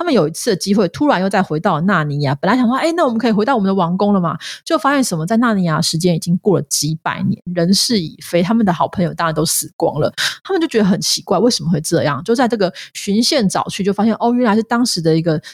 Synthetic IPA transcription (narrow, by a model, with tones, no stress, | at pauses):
tt̪ʰa˥mə˨njo˨˩ʊi˧˥t͡s̩ʰ˥˩d̪ə˩t͡ɕi˥xwe˥˩ɪt̪ʰu˥ɻa˧njo˥˧ʊt͡sa˥˩ɪxwe˧˥ɪt̪ɑ˥˩ʊə˩na˥˨˩ni˧˩ja˨˥˩pə˨nla˧˥ɪɕɑ˨ŋsɪna˥˩wɔ˨˩mə˦nkʰɤ˧˥i˨˩xe˧˥ɑ˥˩wmənd̪ə˧wɑ˧˥ŋkʊ˥ŋlə˨ma̰˨˩t͡ɕjo˥˩ʊfa˥ɕjɛ˥˩nʂə˧˥nmə˧t͡sa˥˧ɪna˥˧ni˧˥˩ja˧˥ə˨ʂɻ̩˧˥t͡ɕjɛ˥ni˨˩t͡ɕi˦˥ŋkwɔ˥˩lə̰˩t͡ɕi˧˥pa̰˨˩ɪnjɛ̰˧˦nɻə˧˥nʂɻ̩˥˩ḭ˨˩fe˥ɪt̪ʰa˥mə˨nd̪ə˩xɑ˨˩ʊpʰə˧˥ŋjo˨ʊt̪a˥˧ɻnt̪o˥ʊsɹ̩˨˩kwɑ̰˥ŋlə̰˨t̪ʰa˥mə˨t͡ɕo˥˩ʊt͡ɕɥɛ˧˥d̪ə˧˩xə˩nt͡ɕʰi˧˥kwa˥˧ɪwe˥˩ɪʂə˧˩˥mə˦xwe˥˧ɪʈ͡ʂɤ˥˧jɑ̰˥˩ŋt͡ɕjo˥˧ʊt͡sa˥˧ʈ͡ʂɤ˥˩ɡə˩ɕy˧˥nɕjɛ˥˩nʈ͡ʂɑ̰˨˩ʊt͡ɕʰy˥˧t͡ɕo˥˩ʊfa˥ɕjɛ˥˧nʔɔ˥˩ɥɛ˥nla˧˥ɪʂɻ̩˥˩t̪ɑ˥ŋʂɻ̩˧˥d̪ə˧i˧˥ɡə˧